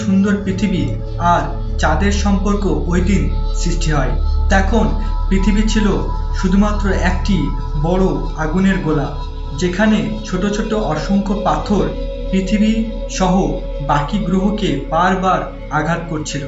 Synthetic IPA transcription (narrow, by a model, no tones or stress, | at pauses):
ʃund̪oɾpɾit̪ʰibi | aɾ | t͡ɕad̪eɾʃɔmpoɾkoojd̪insɾiʃʈʰiɦɔet̪ɛkʰonpɾit̪ʰibit͡ɕʰilo | ʃud̪ʱumat̪ːɾoɛk̚ʈi | bɔɽo | aɡuneɾɡola | d͡ʑekʰane | t͡ɕʰoʈot͡ɕʰoʈːoʔɔʃoŋkʰopat̪ʰoɾ | pɾit̪ʰibi | ʃɔɦo | bakiɡɾoɦokebaɾbaɾ | aɡʱat̪̚koɾt͡ɕʰilo